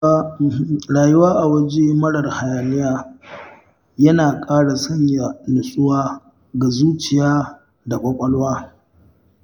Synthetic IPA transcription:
ɽaː˨jʊ˦waː˦ʔa˨wɐ˦d͡ʒe˦mɐ˦ɽɐ˨rha˨jaː˨nɪ˦jaː˦ | jɐ˦naː˨kʼaː˦ɽa˨sɐ˦ɲja˨nʊ˨sʼʊ˦waː˦ | ɡa˨zuː˦t͡ʃɪ˨jaː˦ | da˨kʷʼɐ˦kʷʼɐ˦lwaː˦

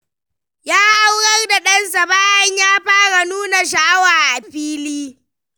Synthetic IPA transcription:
jaː˦ʔa˦wɽɐ˦rda˨ɗɐ˦ns̬a˨baː˦jɐ˦ɲjaː˦ɸaː˦ɽa˨nuː˦na˨ʃ̬a˨ʔa˦waː˨ʔa˨ɸiː˦liː˦

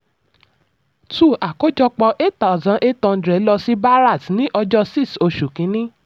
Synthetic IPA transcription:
tu˦˨a˨ko˦d͡ʒɔ˧k͡pɔ˧ʔe˦tta˨zã˨˦ʔe˦tɔ̃˧˦dɾɛ˨˦lɔ˧si˦ba˦ɾa˦˨tnĩ˦ʔɔ˧d͡ʒɔ˦si˦˨so˧ʃu˨kĩ˨˦nĩ˦

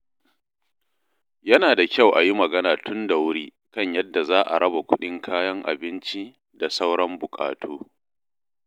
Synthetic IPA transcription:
jɐ˦naː˨da˨kʲa˦wʔa̰˨ji˦mɐ˨ɡɐ˦naː˨tʊ˦nda˨wʊ˦ɽiː˦ | kɐ˦˨ɲjɐ˦dːa˨zaː˦ʔa̰˨ɾɐ˦ba˨kʷʊ˦ɗɪ˦ŋkʰaː˦jɐ˦ŋʔa̰˨bɪ˦nt͡ʃi˦ | da˨sa˦wɽɐ˦mbʊ˨kʼa̰ː˨tʰoː˦

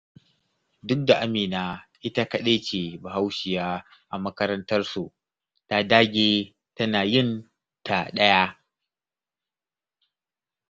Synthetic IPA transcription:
dʊ˦k̚da˨ʔa˦miː˨naː˦ʔɪ˦ta˦kɐ˦ɗeː˦t͡ʃe˨ba˨ha˦wʃɪ˨jaː˦ | ʔa˨mɐ˦kɐ˦ɾɐ˦ntɐ˦rsu˨ʔ | ta˦daː˦ɡʲeː˦ | tɐ˦naː˨jɪ˦n | ta˨ɗɐ˦ja˦

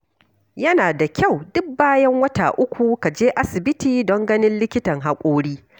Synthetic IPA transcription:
jɐ˦naː˨da˨kʲa˦˨wdʊ˦k̚baː˦jɐ˦ŋwɐ˦taː˨ʔʊ˦kʷu˨ka˨d͡ʒeː˦ʔa˦sɪ˨bɪ˦tiː˨dɔ˦ŋɡɐ˦nɪ˦nlɪ˦kʲɪ˦tɐ˨ŋɦa˨kʷʼoː˦ɽiː˦

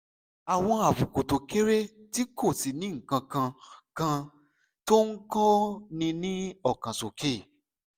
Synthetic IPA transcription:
a˨w̃ɔ̃˧a˨fu˨ko˨to˨ke˦ɾe˦ti˦ko˦˨si˨nĩ˦ŋ̩˨kã˧kã˧kã˧ | to˦ŋ̩˦kɔ˦nĩ˧nĩ˦ɔ˦˨kã˨so˨ke˦˨

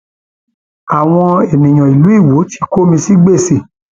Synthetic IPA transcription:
a˨w̃ɔ̃˧e˨mĩ˨j̃ɔ̃˨i˨lu˨˦i˦˨wo˨˦ti̥˧ko˦mĩ˧si˦ɡ͡be˦˨se˨

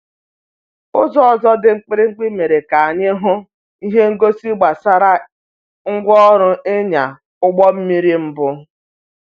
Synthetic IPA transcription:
ʊ˦zɔ˦ɔ˨zɔ˦dɪ˨ŋ͡m̩˦k͡pɪ˦ɾɪ˦ŋ͡m̩˦k͡pi˦me˨ɾe˨ka˨a˨ɲɪ˦ɦʊ˦ | i˦ɦe˦ŋ̩˦ɡo˦si˦ɡ͡ba˨sa˦ɾa˦ | ŋ̩˦ɡʷɔ˦ɾʊ˦e˦ɲa˨ | ʊ˦ɡ͡bɔ˦m̩˦mi˦ɾi˦m̩˦bʊ˦

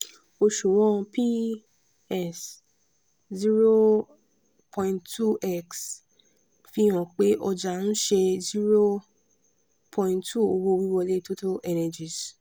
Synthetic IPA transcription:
o˧ʃu˨wɔ̃˦˧pi˦ | ɛ˨s | zi˦ɾo˦ | pʰɔ̃˧ĩ˨ntʰu˦˨ʔɛ˦˨ks | fi˦ɔ̃˨k͡pe˦ʔɔ˧d͡ʒa˨ñ̩˦ʃɛ˧zi˦ɾo˦ | pʰɔ̃˧ĩ˧˨ntʰu˦˨o˧wo˧wi˦wɔ˧le˦to˦to˦ɛ˧nɛ˨d͡ʒi˨s

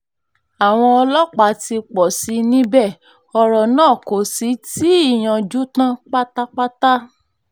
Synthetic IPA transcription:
a˨w̃ɔ̃˧ɔ˧lɔ˦k͡pa˨˦ti˧k͡pɔ˨si˨˧˦nĩ˦bɛ˦˨ | ɔ˧ɾɔ˨nãː˦˨ko˨si˨˦ti˨˦i˦˨j̃ã˨d͡ʒu˦tã˦k͡pa˦ta˦k͡pa˦ta˦

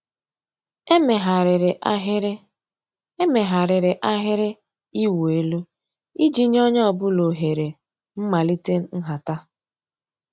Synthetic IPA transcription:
e˨ɦa˨ɾɾ | e˦me˨ɦa˨ɾɪ˨ɾɪ˨ʔa˦ɦɪ˦ɾe˦ | i˦we˨lu˦ | i˦d͡ʒi˦ɲ˦ɔ˦ɲ˦ɔ˨bʊ˦lo˨ɦe˨ɾe˨ | m̩˦ma˨li˦te˦n̩˦n̩˦ɦa˨ta˦

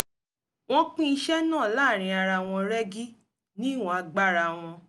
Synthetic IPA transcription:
w̃ɔ̃˦k͡pĩ˦i˧˦ʃɛ˦nãː˦˨laː˦˨ɾ̃ĩ˧a˧ɾa˧˨w̃ɔ̃˧ɾɛ˦ɡi˦ | nĩ˦˨w̃ɔ̃˨˧a˧ɡ͡ba˦˨ɾa˧˨w̃ɔ̃˧

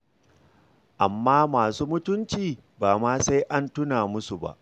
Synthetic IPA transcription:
ʔa̰˨mːaː˦maː˨suː˦mʊ˦tʊ˦nt͡ʃiː˨ | baː˨maː˦sa˦jʔa˦ntʊ˦naː˨mʊ˦su˨ba̰˦ʔ

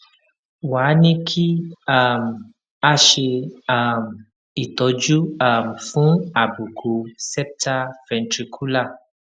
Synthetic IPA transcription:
wa˨˦nĩ˦kʰi˦a˦˨m̩˨ | a˦ʃe˧a˦˨m˨ | i˨tɔ˨˧˦d͡ʒu˦a˦˨m̩˨fũ˦a˨bu˨ɡo˨sɛ˦p̚ta˦fɛ̃˧ntɾi˧kʰu˦la˦˨

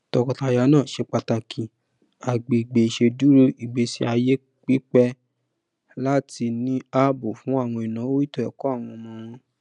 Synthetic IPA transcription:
tɔ˧kɔ˧ta˧ja˨˦nãː˦˨ʃe˧k͡pa˧ta˧kʰĩ˨ | a˨ɡ͡be˨i˨ɡ͡be˨i˨ʃe˧du˨˦ɾo˦i˨ɡ͡be˨˦si˦a˧je˦ | k͡pi˦k͡pɛ˦ | la˦ti˧nĩ˦a˦bo˨fũ˨˦a˦˨w̃ɔ̃˧i˨nã˨˦o˦i˦tɔ˦ɛ˨kɔ˨˦a˦˨w̃ɔ̃˧mɔ̃˧ɾ̃ɔ̃˧

